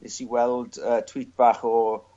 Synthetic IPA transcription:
esiwɛlˠdətʰw̥iːt̚b̥aːχɔ

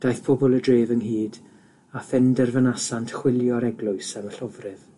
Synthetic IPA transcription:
d̥ajθpʰɔbɔlˠədreːvənhiːd | afɛndɛrvənasantʰχwɪlˠjɔɾɛɡlˠʊɨsaməɬɔvrɪð

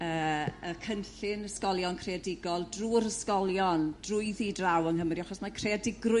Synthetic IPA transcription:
əːəkʰənɬɪnəskɔlˠjɔnkʰreadɪɡɔlˠdruːɾəskɔlˠjɔnd̥rʊɨðidrawəŋɦəmriaχɔsmakʰreadɪɡrʊ

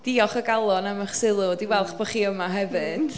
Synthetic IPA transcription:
d̥iɔχəɡalˠɔnamaχsɪlˠʊdiwɛlˠχb̥ɔχiːəmaɦɛvɨd̥

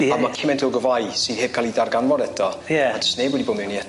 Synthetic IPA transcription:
ɔmakʰɪmɛntʰɪlˠɡɔvajsɨːð̥heːb̥̚kʰalˠidarɡanvɔɾɛtʰɔjɛadə̥stnejbwɔdiboːmɪwniɛt

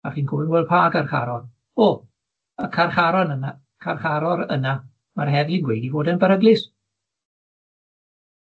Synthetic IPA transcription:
aχiːnkʰʊvɪnwɛlˠpʰaːɡarχa̰ɾɔn | oː | əkʰarχaɾɔnəna | kʰarχaɾɔɾə̰na | marɦɛðlˠinɡwejdivoːdənbəɾəɡlɪs

